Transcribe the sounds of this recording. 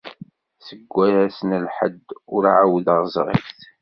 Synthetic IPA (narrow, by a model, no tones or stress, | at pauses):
səɡʷːæɾæsənəlħə̰d̪ːʊɾʕawðəʁzˤʁḭfθ